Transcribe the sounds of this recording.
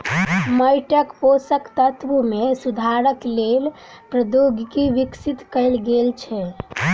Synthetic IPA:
məjʈəkposəkt̪ət̪ʰʋumesud̪ʱaɾəklel | pɾəd̪oɡkiʋiksit̪kəɪlɡelt͡ʃʰɛ

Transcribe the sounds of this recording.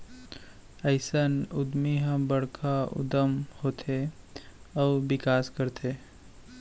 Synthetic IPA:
əɪsənʊd̪miɦãbəɽkʰaʊ̰d̪əmhoːt̪ʰe | ɔːbɪkaːskəɾt̪ʰeː

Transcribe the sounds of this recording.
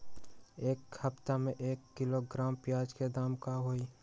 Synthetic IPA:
eːkhɐpt̪amẽʔeːkːɪloɡɾaːmpjaːd͡ʒked̪aːmkaɦoːi

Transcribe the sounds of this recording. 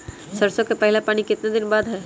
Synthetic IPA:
sɐɾsokepɛɦɪlapaːɽ̃ikɪt̪nad̪ɪnbaːd̪ɦɛː

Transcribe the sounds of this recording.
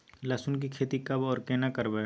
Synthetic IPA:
lɐsʊnk̬ikʰeːt̪ikɐbɔːɾkeːnakəɾbe

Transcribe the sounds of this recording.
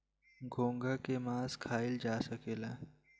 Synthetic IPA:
ɡʱõːŋɡakemãːzkʰaːɪld͡ʒaːsəkeːlaː

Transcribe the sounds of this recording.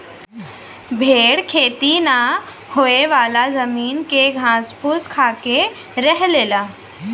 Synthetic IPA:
bʱeːɽkʰeːt̪ina | hoːeʋaːlazɐmiːnkeɡʱãːspʰuskʰaːke | ɾɛɦleːlaː

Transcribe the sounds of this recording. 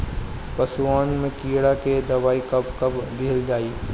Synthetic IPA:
pɐswaːnmẽkiːɽaked̪ɐʋaːikɐp̚kɐbd̪eːəld͡ʒaːiː

